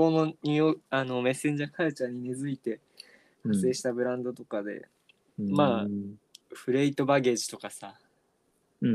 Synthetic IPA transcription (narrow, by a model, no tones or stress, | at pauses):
ono̞ɲ̟ʲioano̞me̞sːẽ̞ɲ̟d͡ʑakʰaɯt͡ɕãɲ̟ːinezɨit̪e̞ | hase̞ːɕi̥t̪abɯ̟ɾãnd̪o̞t̪o̞kad̪e̞̰ | maː | ɸɯ̟ɾe̞it̪o̞baɡe̞ʑi̥t̪o̞kasa